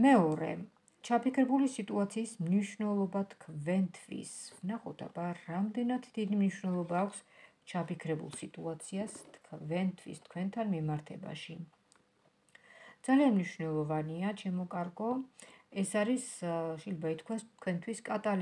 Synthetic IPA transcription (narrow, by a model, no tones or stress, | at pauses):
mɛɔɾɛ̰ | t͡ʃʰapikʰɾɛbulisit̪ʼuat̪sʰiːsmniʃvnɛlˠɔbat̪ʰkʰvɛnt̪ʰvḭsvnaχɔt̪ʰʼa̰baɾamd̪ɛnat̪ʰd̪id̪imniʃwnɛlˠɔbaːkʷʰst͡ʃʰapikʰɾɛbṵlˠsit̪ʼuat̪sʰiast̪ʰkʰvɛnt̪ʰvḭst̪̚ʰkʰwɛnt̪ʰanmimaɾt̪ʰɛba̰ʃi | d̪z̥alianmniʃvnɛlˠɔvaniat͡ʃʰɛmɔkʼaɾɡɔɛsaɾisʃɛjlɛbait̪ʰkʰwast̪ʰkʰwɛnt̪ʰwiskʼat̪ʼal